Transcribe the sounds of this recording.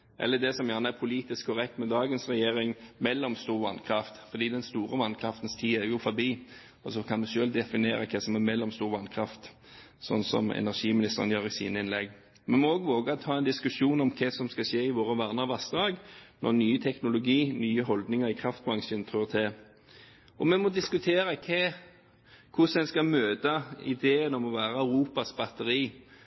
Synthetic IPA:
ʔɛ̰lːəd̪ɛsɔmjæʁnəæɾpʰʊliːt̪ɪskʰːɔɾɛk̚t̪mɛd̪ɑːɡənsʁɛjeːɾɪŋmɛlːɔmst̪uːʁʋɑnkʰɾɑft̪fɔd̪iːd̪ɛnst̪uːɾəʋɑnkʰʁɾɑft̪ənst̪ʰiːæɾjʊfɔbiː | ɔsɔkʰɑnmɛʃøːld̪ɛfɪneːɾəkʰɛsɔmæmɛlːɔmst̪uːʁʋɑnkʰɾɑft̪ | sɔ̰nsɔ̰mɛ̰næʁʂiːmɪnɪst̪əʁənjøːʁɪsḭːnəɪnlɛɡ | mɛnmɔoːɡʋoːɡət̪ʰɑːɛnd̪ɪskʉʂuːnɔmkʰɛsɔmskɑʃeːɪʋoːʁəʋæːʁnəʋɑsd̪ʁɑːɡnɔ̰ʁnyːət̪ʰɛknʊlʊɡiːnyːəɦɔld̪nɪŋəʁɪkʰʁɑft̪̚bɾɑŋʃənt̪ʰʁøːt̪ʰɛː | ɔmɛnmɔd̪ɪskʉt̪ʰeːɾəkʰɛ | kʰʊsɛnskɑmøːd̪əɪ̰d̪eːənɔmɔʋæːɾəæʉɾuːpɑsbɑt̪əɾiː

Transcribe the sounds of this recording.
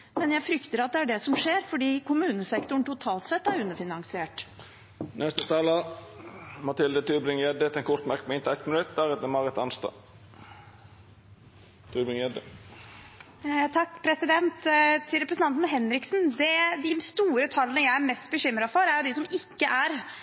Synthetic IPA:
mɛnjæɪfɾʏkt̪əɾɑt̪̚d̪ɛæɖɛsɔmʂeːɾfɔɖiːkʰʊmʉːnəsɛkt̪ʊɳʈ̪ʊt̪ʰɑːlt̪sɛt̪ːæɾʉnːəfɪnɑŋsɪeːʈ | nʔɛst̪ət̪ʰɑːlə | mɑt̪ɪld̪ət̪ʰʉːbɾɪŋjɛd̪ət̪ɛnkʰʊɾt̪mæɾkmɛɪnt̪ɪɛt̪mɪnʉt̪̚d̪æɾɛt̪əmɑʁət̪ɑnst̪ɑ̰ | t̪ʰʉːbɾɪŋjɛd̪ə | t̪ʰɑkːpʰɾɛsɪd̪ɛnt̪t̪ʰɪlɾɛpɾəsn̩ʰɑnt̪nɦɛnɾɪksnd̪ɛd̪ɪst̪uːɾət̪ʰɑlənəjæɪæɾmɛst̪̚bəɕʏmːɾɑfɔɾæɾjʊd̪ɪsɔmɪkːəʔæɾ

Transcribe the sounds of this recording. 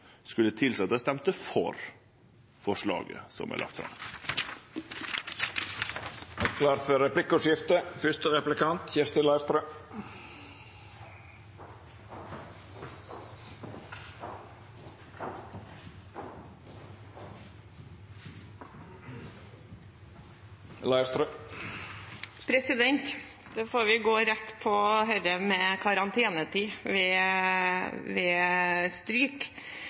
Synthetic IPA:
skʉlət̪ʰɪlsɛɑt̪d̪ɛst̪ɛmt̪əfɔɾ | fɔʂɭɑ̰ːɡə̰sɔ̰mʔæ̰lʔɑ̰kt̪fɾɑ̰m | ɛkʰlɑːɾt̪fœɾɛpʰlɪkʊʂjɪft̪əfʏst̪əɾɛplɪkɑnt̪çɛst̪ɪlɑɪst̪ɾœː | lɑɪst̪ɾ | pʰɾɛsɪd̪ɛnt̪ | d̪̥ɛfoːɾʋɪɡoːɾɛt̪ːpʰɔɦœɾəmɛkʰɑɾɑnt̪ʰeːnət̪ʰiːʋɛː | ʋɛːst̪ɾyːk

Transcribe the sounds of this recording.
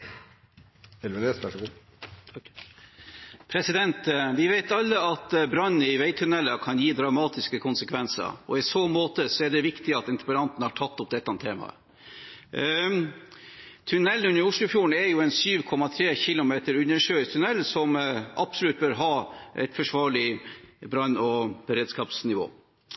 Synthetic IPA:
ɛlʋɛneːsʋæʂɡu | pʰɾɛsɪd̪ɛnt̪ʋɪʋæɪt̪ɑlːəɑt̪bɾɑnəɪʋæɪt̪ʰːʉnɛlːəkʰɑnjiːd̪ɾɑmɑːt̪ɪskəkʰʊnsəkʰʋɛnsə̰ɾɔ̰ɪsoːmoːt̪əsɔæɖɛʋɪkt̪ɪɑt̪ɪnt̪əpəɾɑnt̪nəhɑʈʰɑt̪ːʊp̚d̪ɛt̪ːɑnt̪ʰːeːmɑ̰ə̰ | t̪ʰʉnɛlːʉnːəɾʊʂlʊfjuːəɳ̩ɛɾjʊɛnsyːʋkʰɔmɑt̪ʰɾeːçɪlʊmeːt̪əɾʉnːəʂøːt̪ʰʉnɛlːsɔmɑb̥sɔlʉːt̪̚bøːɾɦɑːʔɛ̰ɪt̪fɔʂʋɑːɭɪbɾɑnɔb̥əɾeːd̪skɑːpsnɪʋo̰ː

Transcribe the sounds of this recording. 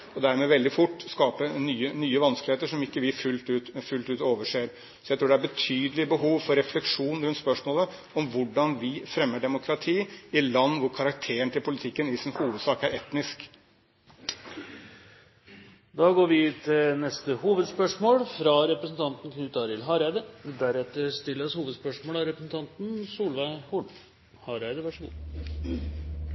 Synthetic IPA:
ɔd̪æɾmɛːʋɛld̪ɪfʊʈːskɑːpənyːənyːəʋɑnskəlɪeːt̪əʂɔmɪkːəʋɪfʉlt̪ʉːt̪fʉlt̪ʉːt̪oːʋəʂeːɾ | sɔjæɪt̪ɾuːɖɛæɾbət̪ʰyːd̪əlɪbəɦuːʋfɔɾɛflɛkʂuːnɾʉnt̪spœʂmoːlə | ɔmʋʊɖɑnʋɪfɾɛmːəɖɛmʊkʰɾɑt̪ʰiːɪlɑnːʋʊɾkʰɑɾɑkt̪ʰeːəɳət̪ʰɪlpʊlɪt̪ʰɪkːənɪsɪnhuːʋəd̪sɑːkæɾɛt̪nɪsk | d̪ɑːɡoːɾʋɪt̪ʰɪlnɛst̪əhuːʋəd̪spœʂmoːlfɾɑɾɛpɾəsn̩t̪ʰɑnt̪n̩kʰnʉːt̪ɑɾɪlɦɑɾæɪd̪əd̪æɾɛt̪ːəɾst̪ɪlːəshuːʋəd̪spœʂmoːlɑɾɛpɾəsn̩t̪ʰɑnt̪n̩suːlʋæɪhuɳ | hɑɾæɪd̪əʋæʂəɡṵː

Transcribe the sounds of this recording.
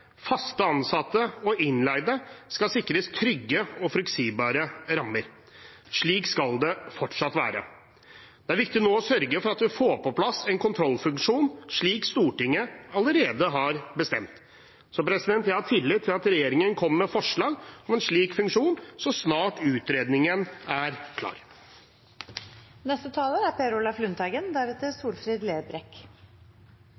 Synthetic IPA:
fɑst̪əɑnsɑt̪ːəɔɪnlæɪd̪əskɑsɪkːəɾəɪst̪ʰɾʏɡːəɔfɾɛksiːbɑːɾəɾɑmːəɾ | ʂɭiːkskɑld̪ɛfɔʈʂɑt̪ʋæ̰ːɾə̰ | d̪̥ɛæɾʋɪk̚t̪ɪnoːɔsœɾɡəfɔɾɑt̪ʋɪfoːpɔpʰlɑsːɛɪnkʰʊnt̪ʰɾɔlːfʉŋkʂuːnʂɭiːkst̪uːʈɪŋːəɑləɾeːd̪əɦɑɾbəst̪ɛmt̪ | sɔpɾɛsɪd̪ɛnt̪jæɪhɑt̪ʰɪlːɪt̪ʰːɪlɑt̪ɾɛjeːɾɪŋənkʰɔmːmɛfɔʂɭɑːɡɔmɛnʂɭiːkfʉŋkʂuːnsɔsnɑːʈʉːt̪ɾeːd̪nɪŋənæɾkʰlɑ̰ːɾ | nɛst̪ət̪ʰɑːləɾæɾpʰeɾʊlɑflʉnt̪ʰɑɡənd̪æɾɛt̪əsuːlfɾiːd̪leːbɾɛk

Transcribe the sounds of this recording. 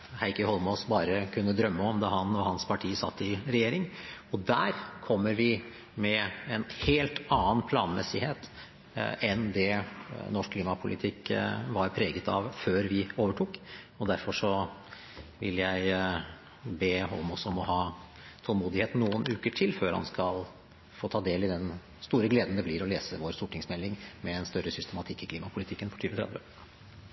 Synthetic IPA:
hæɪkəhɔlmɔːsbɑːɾəkʰʉnːəd̪ɾœmːəɔmd̪ɑhɑnɔhɑnspʰɑʈʰiːəsɑ̰t̪ːɪɾɛjeːɾɪŋɔd̪æːɾkʰɔmːəɾʋɪ | mɛɛnheːlt̪ɑːənpʰlɑːnmɛ̰sɪheːt̪ | ɛnd̪ɛnɔʂkʰliːmɑpʰʊlʔɪ̰t̪ʰɪkːʋɑɾpʰɾeːɡət̪ɑ̰ʋføːɾʋɪoːʋəʈʰuːk | ɔd̪æɾfɔʂɔ | ʋɪ̰ljæɪ | beːɦɔ̰lmɔsɔɔmɔɦɑː | t̪ʰɔlmuːd̪ɪheːt̪n̩ːuːənʉːkəʈʰɪlføːɾhɑ̰nskɑl | foːt̪ʰɑːd̪eːlɪd̪ɛn | st̪uːɾəɡleːd̪n̩d̪ɛblɪɾɔleːsəʋoːɾst̪uːʈɪŋsmɛlːɪŋmɛɛnst̪œɾəsʏst̪əmɑt̪ʰɪkːɪkʰliːmɑpʰʊlɪt̪ʰɪkːənfʰɔ̥ʈʰyːʋət̪ʰɾɑ̰d̪ʋə̰

